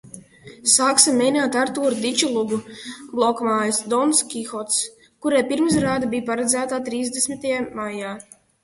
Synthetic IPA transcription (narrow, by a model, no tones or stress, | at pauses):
saːksimːɛjnaːt̪aɾt̪uːɾd̪it͡ʃulˠuɡublˠɔkmaːjasd̪ɔnskʲixɔt̪s | kuɾɛjpiɾms̬ɾaːd̪abijpaɾad̪zæːt̪at̪ɾiːzd̪esmit̪ajamajaː